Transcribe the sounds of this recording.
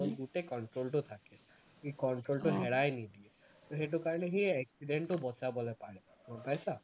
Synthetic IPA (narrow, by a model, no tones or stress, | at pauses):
ɔlɡuʈekɔɳʈɾolʈut̪ʰake | ikɔɳʈɾolʈuɦeɽajnid̪ie | t̪oɦeʈ̬ukaɹɔneɦieeksiɖeɳʈɔbɔt͡ʃabɔlepaɽe | mɔpajsa